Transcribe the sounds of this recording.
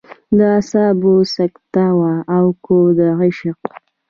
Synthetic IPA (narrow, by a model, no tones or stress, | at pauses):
d̪əasɑbosakt̪awaːwkod̪əɣɪʃɪq